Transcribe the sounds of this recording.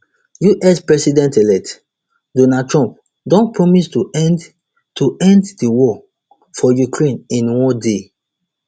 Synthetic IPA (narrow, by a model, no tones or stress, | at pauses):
juʔɛspɹɛsidɛ̃ntɛlɛk̚t | donad̚tɹɔ̃mp̚ | dɔ̃npɹɔmistu | tuʔɛ̃nddiwɔ | fɔjukɹẽnĩnwɔ̃de